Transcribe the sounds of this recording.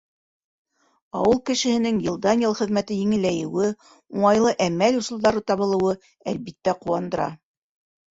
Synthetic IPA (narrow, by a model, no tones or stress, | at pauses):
ɑwɤlˠkɘ̆ʃɘ̆hɘ̆nɘŋjɤ̆lˠd̪ɑnʲjɤlˠχɘ̆ðmæt̪ɘjɘ̆ŋɘ̆lːæjɘ̆wɘ | uɴɑjlˠɤʔæmælŭsŭlˠd̪ɑɾɤt̪ɑβɤ̆lˠɤ̆wɤ | ælbit̪ːæquwɑnd̪ɤ̆ɾɑ̰